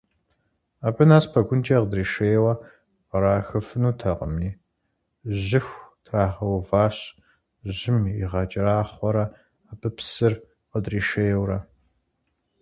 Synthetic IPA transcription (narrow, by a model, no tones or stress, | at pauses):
aːbɨnaːspʰɐɡʷʊnt͡ʃʼɐqədriːʃeːjwɐ | qəɾaːxɨfɨnuːtʰɐqə̰miː | ʑɪxʷtʰraːʁɐwvaːɕ | ʑɪmiʁɑt͡ʃʼɪraːχʷɔɾɐ | abʰɨpsɨr | qədriːʃeːjwrɐ